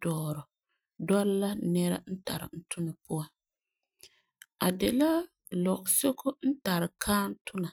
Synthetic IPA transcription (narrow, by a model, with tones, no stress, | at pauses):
dɔː˨ɾɔ˨ | dɔ˦lla˦nɛ˦ɾa̰˦n̩˦ta̰˨ɾɪ̰˨n̩˦tʰʊ˦na˨pʊ˦a˦ | a˨de˨la˦ | lɔ˨kso˦ko˦n̩˦ta˨ɾɪ˨kʰaː˦n˦tʊ˦na˨